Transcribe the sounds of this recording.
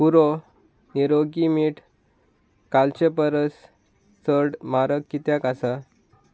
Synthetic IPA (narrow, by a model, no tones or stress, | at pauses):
puɾo | niɾoɡimiːʈʰ | kalt͡ɕepəɾəs | t͡səɽmaɾəkːit̪jakasa